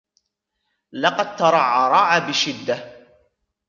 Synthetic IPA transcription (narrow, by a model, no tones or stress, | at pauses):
lɑqɑd̪̚t̪ɑɾˤɑʕːɑɾˤɑːʕabɪʃɪd̪ːa